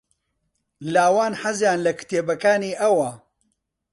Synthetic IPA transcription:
laːwaːnħazjaːnlɐkɨ̥t̪eːbɐkaːniːʔɐwɐ

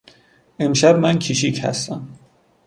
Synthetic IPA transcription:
ʔemʃæbmæncʰiʃichæ̰st̪æm

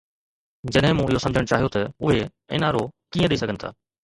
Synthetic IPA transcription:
d͡ʑɐɗɦɪ̃mũːɪɦosɐ̃md͡ʑʱəɽ̃t͡ɕaːɦijot̪ɐʊɦe | ɪ̰naːɾokiːə̃ɗeiːsɐɡʱənɪt̪ʰa̰ː

